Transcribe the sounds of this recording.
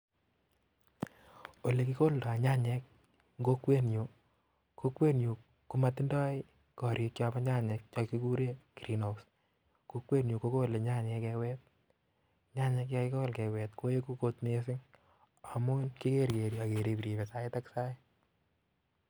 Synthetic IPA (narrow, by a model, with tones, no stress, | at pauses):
o˨le˨kiko˦lda˨ɲa˦ɲɛ˦k̚ | ŋɡo˦kwe˦njo˨ | ko˦kwe˦njo˨ | ku˦ma˦tɪ˦ndɔ˦ɪ˦ | kɔ˨ɾje˧˦kt͡ʃɔ˦pa˦ɲa˦ɲɛ˧k̚t͡ʃɔ˧ki˦ku˦ɾe˦ki˨ɾi˨no˨s | ko˦kwe˦njo˨ko˦ko˦˨le˨ɲa˦ɲɛ˧kɛ˧wɛ˦t̚ | ɲa˦ɲɛ˧k̬ja˦kɪ˦kɔ˦lkɛ˨wɛ˨tko˦je˦ku˦ko˦tne˦sɪ˦ŋ | a˨mʊ˦nki˦ke˦ɾke˨ɾia˨ke˨ɾe˨piɾi˨pe˨sa˦ɪ˦ta˦ksa˦i˦